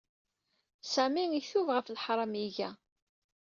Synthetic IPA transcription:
sæmiŋiθuvʁəflħɾˤɑmiʝæ

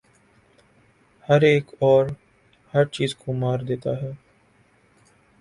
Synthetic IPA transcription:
həɾeːkɔːɾ | həɾt͡ʃiːzkomaːɾd̪eːt̪aɦɛː

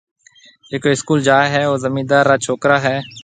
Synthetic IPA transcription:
d͡ʒeːkoːɪskuːld͡ʒaːɦɛːoːzəmiːd̪aːɾːaːt͡ʃʰoːkɾaːɦɛː

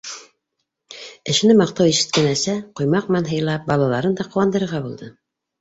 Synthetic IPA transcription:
ɘ̆ʃ̆nɘmɑq̚t̪ɑwiʃɘ̥̆t̪̚kænæsæqujmɑq̚mænɦɤ̆jlˠɑp̚bɑlˠɑlˠɑɾɤnd̪ɑqŏwɑnd̪ɤ̆ɾɤ̆ɾʁɑbulˠd̪ɤ

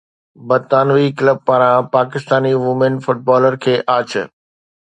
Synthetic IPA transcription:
bɐt̪aːnʋikləb̚paːɾãpaːkɪst̪aːniʋʊmənfʊʈ̚bɔːləɾkʰeːʔaːt͡ɕʰ

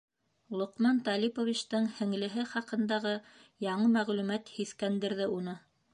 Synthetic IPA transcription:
lˠŏqmɑnt̪ɑlʲipovʲit͡ɕt̪ɤŋhɘ̆ŋlɘ̆ɦɘχɑqɤ̆nd̪ɑʁɤjɑɴɤmæʁlʉmæt̪hiθkænd̪ɘ̆ɾðɘunɤ

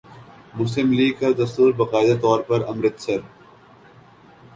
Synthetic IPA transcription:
mʊs̬lɪmliːɡ̚kad̪ɐst̪uːɾbɐqaːɪd̪at̪ɔːɾpɐɾɐmɾɪt̪sɐɾ

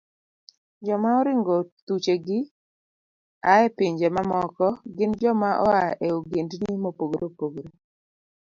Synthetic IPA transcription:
d͡ʒɔmaɔɾɪŋɡɔtut͡ʃeɡɪ | aɛpɪɲd͡ʒɛmamɔkɔɡɪnd͡ʒɔmaʔɔaʔeoɡendniimopoɡɾʔopoɡɾo

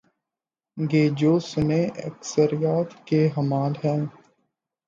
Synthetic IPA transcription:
ɡeːd͡ʒoːsʊneʔɐ̰ksəɾijaːt̪keɦɐmaːlɦɛ̃ː

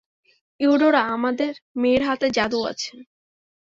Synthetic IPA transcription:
iuɖoɾaamad̪eɾmeːɾɦat̪ed͡ʑad̪ua̰t͡ɕʰe

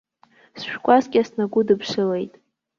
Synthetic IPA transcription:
sʃᶣkʷʼazkʲʼasnaɡʷʊdɨpʰʂɨlejtʼ

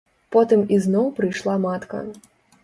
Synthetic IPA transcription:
pɔt̪ɨmiznɔwpɾɨjʂlˠamat̪kɐ̰

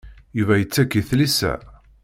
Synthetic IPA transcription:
juvæjət͡sːækːiθlisæ̰

